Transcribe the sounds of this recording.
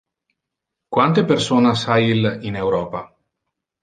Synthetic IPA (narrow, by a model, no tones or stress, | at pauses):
kwant̪epersoːnasailinewɾɔːpa